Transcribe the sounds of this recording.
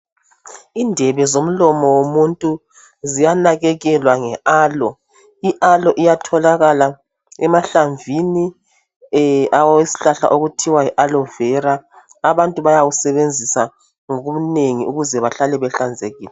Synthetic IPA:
iːndʱɛβɛzom̩lɔmɔwomuntʼu | zijanaɣɛɣɛlwaŋɛʔaːlɔ | iʔalɔʔijatʰɔlaɣala | ɛmaɬaɱvʱini | awesi̥ɬaɬa̰ʔoɣutʰiwaiʔalɔvɛɾa | aβantʼuβajawusɛβend͡zʱisa | ŋoɣumuneŋiuɣuzɛβaɬalɛβɛɬand͡zʱeɣiːlɛ

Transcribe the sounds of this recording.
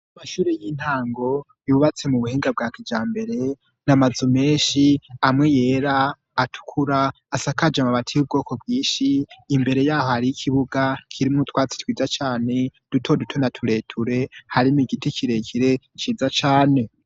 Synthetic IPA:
amaʃuːɾejiːn̥haːŋɡo̞ | juːβat͡se̞muβuheːŋɡab̚ɡaːkid͡ʒaːmbe̞ɾe̞ | namazume̞ːʃiamŋe̞je̞ːɾaː | tʰu̥kʰuɾaː | sakad͡ʒamaβatʰijub̚ɡo̞ːko̞bɡiːʃiːmbe̞ɾe̞jaːho̞haɾiikʰiβuɡakʰiɾimŋutwaːt͡si̥twiːd͡ʒat͡ʃaːne̞d̥utʰo̞dutʰo̞natʰuɾe̞ːtʰuɾe̞haɾimiɡiticʰiɾe̞kʰiɾe̞ | t͡ʃiːzat͡ʃaːne̞

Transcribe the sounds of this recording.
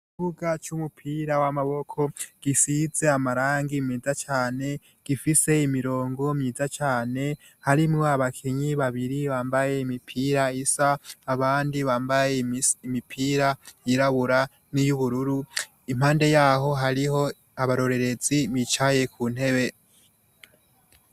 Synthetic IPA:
kiβuɡat͡ʃumupʰiɾawamaβo̞kʰo̞ɡ̥isiz̥e̞amaɾaːŋɡimiːzat͡ʃaːne̞ | ɡ̥ifise̞imiɾo̞ːŋɡo̞mɲiːzat͡ʃaːne̞ | haɾimŋo̞aβakʰeɲiβaβiɾiβaːmbaje̞imipʰiːɾaisaːβaːndiβaːmbajeimipʰiːɾajiɾaβuɾa | nijuβuɾuɾu | im̥haːnde̞jaːɦo̞ɦaɾiho̞ | aβaɾo̞ɾe̞ɾe̞ziβit͡ʃaje̞kʰuːn̥he̞βe̞

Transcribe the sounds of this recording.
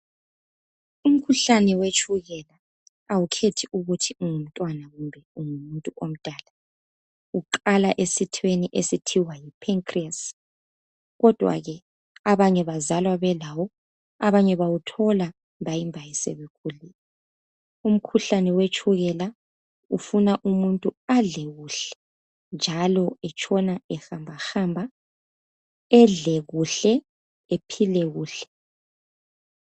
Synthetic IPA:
um̩kʰuɬanɛwet͡ʃʰʼuɣɛla | awukʰetʰiʔuɣutʰiuŋum̩tʼwanaɣumbʱɛuŋumuntʼuʔom̩d̥ʱaːla | uǃalaʔesitʰweniʔesitʰiwajipʰeŋkʰʼrias | ɣɔd̥ʱwa̰ɣɛ | aβaɲɛβazalwaβɛlawɔ | aβaɲɛβawutʰɔla | mbʱajimbʱajɛsḛβɛkʰulilɛ | um̩kʰuɬanɛwet͡ʃʼʰuɣɛla | ṵfunaʔumuntʼuaɮɛɣuɬɛ̥ | nd͡ʒʱalɔɛt͡ʃʰʼɔnaɛxambʱaxambʱa | ɛɮɛɣuɬɛ | epʰilɛɣuːɬɛ̥

